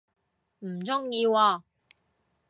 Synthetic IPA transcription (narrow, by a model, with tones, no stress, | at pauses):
m̩˨˩t͡sʊ˥ŋjiː˧waː˧